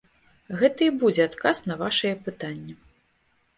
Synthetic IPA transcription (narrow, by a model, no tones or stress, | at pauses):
ɣɛt̪ɐibud͡zʲɛat̪kasnɐvaʂɐjɛpɨt̪anʲːɛ